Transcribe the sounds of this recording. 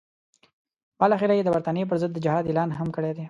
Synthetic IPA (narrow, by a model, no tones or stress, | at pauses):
balɑxiɾajed̪əbaɾt̪ɑnijep̬əɾzəd̪ːəd͡ʒɪhɑd̪elɑnɦamkəɽed̪e